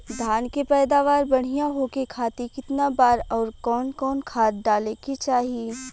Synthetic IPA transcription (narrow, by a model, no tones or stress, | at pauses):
d̪ʱaːnkepɛːd̪aːʋaːɾbɐɽ̤ijãɦoːkekʰaːt̪ikɪt̪nabaːɾɔːɾkɔːnkɔːnkʰaːt̪̚ɖaːleket͡ʃaːɦie